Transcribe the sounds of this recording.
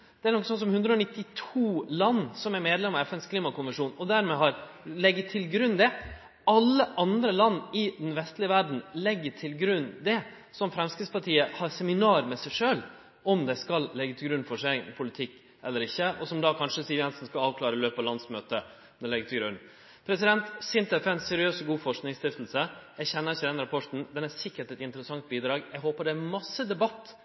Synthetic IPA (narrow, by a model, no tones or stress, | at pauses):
d̪̥ɛæɾnɔkːəsɔnsɔmhʉnd̪ɾəɔnɪt̪ːɪt̪ʰuːlɑnːsɔmæɾmeːd̪lɛmɑɛfɛnskʰliːmɑkʊnʋɛnʂuːnɔd̪æɾmɛɦɑɾ | lɛɡːət̪ʰːɪlɡɾʉnːd̪ɛ | ɑlːəʔɑnd̪ɾəlɑnːɪd̪ɛnʋɛst̪lɪəʋæɖɳ̩lɛɡːəʈʰɪlɡɾʉnːd̪ɛ | sɔmfɾɛmskɪspʰɑʈʰiːəhɑɾsɛmɪnɑːɾmɛsæɪʂøːl | ʔɔmd̪ɛskɑllɛɡːət̪ʰɪlɡɾʉnːfɔʂæɪpʰʊlɪt̪ʰɪkː | ɛlːəɾɪçːəʔɔsɔmd̪ɑkʰɑnʂəsiːʋjɛnsn̩skɑɑːʋkʰlɑːɾəløːpɑlɑnsmøːt̪ə | d̪ɛlɛɡət̪ʰɪlɡɾʉnː | pʰɾɛsɪd̪ɛnt̪sɪnt̪ɛfɛɛnsɛɾɪøːsɡuːfɔʂknɪŋst̪ɪft̪l̩səjɛɡçɛnːəɾɪçəd̪ɛnɾɑpʰɔʈn̩d̪ɛnæsɪkːəʈɛt̪ɪnt̪əɾəsɑŋt̪̚biːd̪ɾɑːɡɛɡɦoːpəɖɛæmɑsːəd̪ɛbɑt̪ː